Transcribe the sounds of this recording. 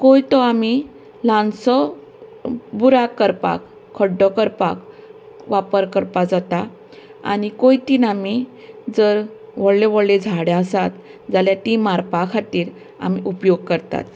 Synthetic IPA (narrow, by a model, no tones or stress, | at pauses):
kojt̪ɔami | lãnsɔ | buɾakːəɾpa̰kʰː | əɖɔkəɾpak | ʋapəɾkəɾpad͡zat̪a | a̰nikojt̪inami | d͡zəɾʋəɽleʋəɽled͡zʱaɽjeəsat̪d͡zaljat̪imaɾpakʰat̪iːɾ | a̰miʔupjoɡkəɾt̪a̰t̪